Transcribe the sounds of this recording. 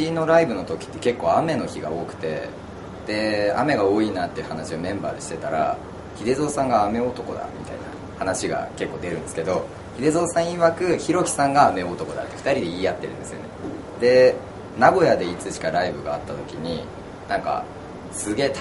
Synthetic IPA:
ino̞ɾaibɯ̟no̞t̪o̞kʲi̥t̪ːe̞̥ke̞kːo̞ːame̞no̞çiɡa̰o̞ːkɯ̟̥t̪e̞̰ | d̪̥e̞a̰me̞ɡao̞ːiːnaːt̪ːe̞iɯ̟hanaɕiomẽ̞mba̰ːd̪eɕi̥t̪e̞t̪aɾa̰ | çid̪e̞zo̞ːsãŋɡaːme̞o̞t̪o̞ko̞̰d̪a̰mʲit̪a̰ḭna̰ | hanaɕiɡa̰ke̞kːo̞ːd̪e̞ɾɯ̟nd̪sɨ̥ke̞d̪o̞ | çid̪e̞zo̞ːsãɰ̃iβakɯ̟çiɾo̞kʲi̥sãŋɡaːme̞o̞t̪o̞ko̞d̪a̰t̪ːe̥ɸɯ̥t̪aɾʲid̪e̞iːjat̪ːe̞ɾɯ̟̃nd̪e̞sɨjo̞̰ne̞ | d̪̥e̞ | naɡo̞jad̪e̞it͡sɨɕi̥kaɾaibɯ̟ɡa̰ːt̪ːat̪o̞kʲiɲ̟i | nãŋka̰ | sɨɡe̞ːt̪

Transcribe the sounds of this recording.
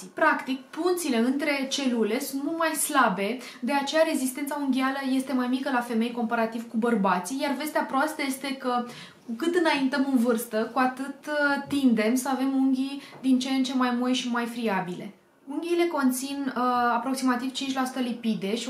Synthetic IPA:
pɾakt̪ikpunt̪sile̞ɨnt̪ɾe̞t͡ʃe̞lule̞sunt̪mult̪majslabe̞ | d̪e̞at͡ʃe̞jaɾe̞zist̪e̞nt̪sauŋɡʲialəje̞st̪e̞majmikəlafe̞me̞jko̞mpaɾat̪ivkubərbat̪sijarve̞st̪eapɾoast̪əje̞st̪e̞kə | kukɨt̪ɨnaint̪əmɨnvɨrst̪əkuat̪ɨt̪t̪ːind̪e̞msəave̞muŋɡʲid̪int͡ʃent͡ʃe̞majmojʃimajfɾiabile̞̰ | uŋɡʲile̞ko̞nt̪sinapɾo̞ksimat̪iv̥t͡ʃint͡ʃʲlasu̥t̪əlipid̪e̞ʃi

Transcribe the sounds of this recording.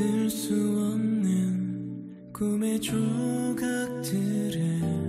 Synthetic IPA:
ɯɭs͈uʌnːɯn | kumet͡ɕuɡak̚tʰɯɾe

